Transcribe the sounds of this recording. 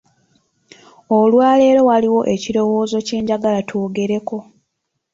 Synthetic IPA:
olwaːle̞ɾo̞waliwo̞ʔe̞ciɾo̞wo̞ːzo̞ce̞ːɲɟaɡalatʰoːɡe̞ɾe̞ko̞

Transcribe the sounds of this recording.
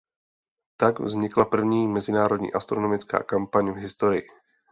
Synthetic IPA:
t̪aɡvzɲɪklapr̩vɲiːmɛzɪnaːɾo̞dɲḭːʔast̪ɾono̞mɪt͡ska̰ːkampaɲvɦɪst̪o̞ɾɪjɪ

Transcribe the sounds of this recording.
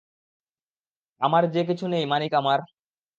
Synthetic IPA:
amaɾd͡ʑek̬it͡ɕʰunejmanikamaɾ

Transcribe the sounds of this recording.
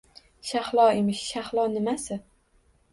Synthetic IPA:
ʃaχlˠɒemɪʃʃaχlˠɒnɪmasɪ

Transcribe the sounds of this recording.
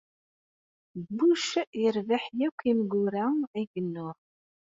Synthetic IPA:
buʃjəɾvaħjækʷːimɡʊɾaæɡənːʊɾ

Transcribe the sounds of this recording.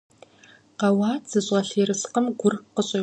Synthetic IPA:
qɐwɑːd͡zɨɕʷʼʁɐɬeːɾɨsqəmɡʷʊrqəɕʼe

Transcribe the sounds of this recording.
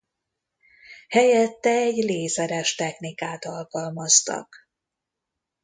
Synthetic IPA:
hɛjɛt̪ːɛɛɟleːsɛɾɛʃt̪ɛxnikaːt̪ɒlkɒlmɒst̪ɒ̰k

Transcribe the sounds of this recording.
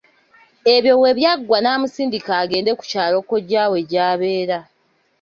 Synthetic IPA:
e̞βjo̞we̞βjaɡwanaːmusiːndikaːɡe̞ːnde̞ku̥caːlo̞ko̞ɟaːwe̞ɟaːβe̞ːɾa

